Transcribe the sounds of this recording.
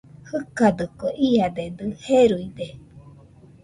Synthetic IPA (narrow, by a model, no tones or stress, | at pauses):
hɯkad̪ɯkoʔiad̪ed̪ɯheɾuid̪e